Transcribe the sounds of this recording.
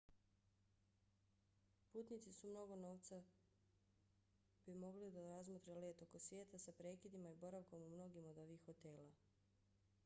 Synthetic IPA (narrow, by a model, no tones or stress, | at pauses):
puːt̪nit̪sisumno̞ɡo̞no̞ːʋt̪sa | b̥imo̞ɡlid̪aɾazmot̪ɾeleːt̪o̞ko̞sʋje̞ːt̪asapɾe̞ːkid̪imaibo̞ɾaʋkomumno̞ɡimo̞d̪o̞ʋixo̞t̪e̞ːla